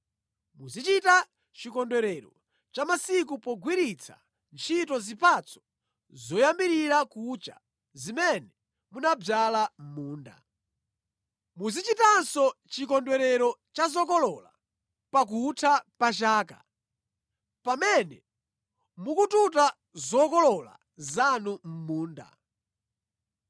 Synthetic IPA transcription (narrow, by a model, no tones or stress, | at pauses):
muzit͡ʃita | t͡ʃikɔndwɛɾɛɾɔ̰ | t͡ʃamasik̬upɔɡwiɾit͡sʰa̰ | nt͡ʃʰitɔzipʰat͡sʰɔ̥ | zɔjambiɾiɾakut͡ʃa̰ | zimɛnɛ | munab͡ʐalamuːnda̰ | muzit͡ʃitansɔt͡ʃikɔndwɛɾɛɾɔt͡ʃazɔkɔlɔla̰ | pak̬utʰapat͡ʃaːka̰ | pamɛnɛ | mukututa | zɔkɔlɔla̰ | zanum̩muːnda̰